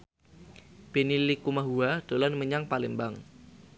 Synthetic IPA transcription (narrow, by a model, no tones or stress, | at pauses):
b̥enilikumaɦuad̥olanməɲaŋpalimbaŋ